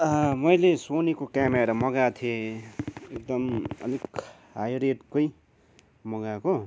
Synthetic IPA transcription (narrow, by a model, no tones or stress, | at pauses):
ʌmʌjlesonekokameɾamʌɡat̪ʰie | ek̚d̪ʌmʌ̰lik | ɦajɾeɖkʌj | mʌɡako